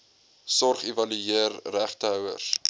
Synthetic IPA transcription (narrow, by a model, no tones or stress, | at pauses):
sɔrχevɐlyeərːæχtəœwə̰s